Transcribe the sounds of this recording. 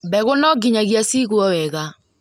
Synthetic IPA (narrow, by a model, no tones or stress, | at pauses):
bɛɣʊnɔɡɪɲaɣjasiɣuɔwɛɣa